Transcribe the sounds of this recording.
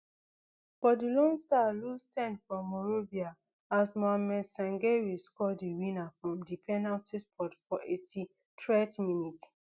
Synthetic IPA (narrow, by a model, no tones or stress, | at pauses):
fɔdilɔ̃nstalustʰɛ̃nfɹɔ̃mːɔɹovia | asmaamɛ̃sãŋɡewiskɔdiwĩnafɹɔ̃mdipʰɛnaltispʰɔtfɔʔetʰi | tʰɹɛtminit